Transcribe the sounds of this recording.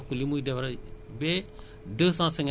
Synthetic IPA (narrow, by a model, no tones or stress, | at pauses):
kulimuidɛfɾabe | dəsãsɛŋ